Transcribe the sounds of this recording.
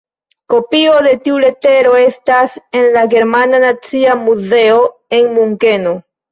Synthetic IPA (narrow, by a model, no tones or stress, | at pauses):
ko̞pio̞ðe̞tiule̞te̞ɾo̞e̞stase̞nlaɡe̞ɾmananat͡siamuze̞o̞e̞ŋmuŋke̞no